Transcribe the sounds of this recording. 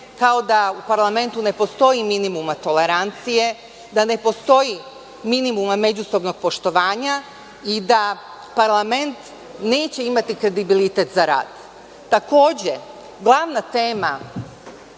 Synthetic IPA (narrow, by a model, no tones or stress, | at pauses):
kao̞d̪aupaɾlˠame̞nt̪une̞po̞st̪o̞jiminimumat̪o̞le̞ɾant̪sije̞ | d̪ane̞po̞st̪o̞ji | minimumame̞d͡ʑuso̞bno̞ɡ̥̚po̞ʃt̪o̞ʋaːɲa | id̪a | paɾlˠame̞nt̪ | ne̞ːt͡ɕe̞imat̪ikɾe̞d̪ibilit̪et̪zaɾa̰ːd̪̥ː | ako̞ːd͡ʑe | ɡlˠaʋnat̪e̞ːma